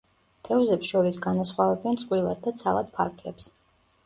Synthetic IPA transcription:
t̪ʰɛuzɛpsʃɔɾisɡanasχwavɛbɛntsʼqʼwilˠa̰d̪̚d̪at̪sʰalˠad̪̥̚pʰaɾpʰlɛps

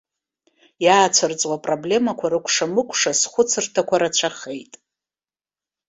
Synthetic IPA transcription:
jaːt͡ɕʷʰart͡sʼwapʼroblʲe̞makʷʰaɾɨkʷʰʼʂamɨkʷʰʼʂasχʷʊt͡sʰɨrtʰakʷʰaɾat͡ɕʷʰaχejtʼ

